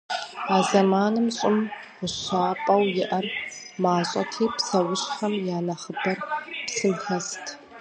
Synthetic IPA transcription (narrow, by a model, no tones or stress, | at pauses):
aːzɐmaːnɨmɕʼɪm | ʁʷʊɕaːpʼɐwjɪʔɐrmaːɕʼɐ̰tʰiːpsɐwʊɕʼħɐmjaːnɐχəbɐrpsɨmxɐstʰ